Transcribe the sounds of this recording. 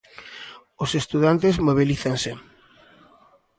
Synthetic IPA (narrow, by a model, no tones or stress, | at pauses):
osest̪uðant̪ezmoβ̞iliθansɪ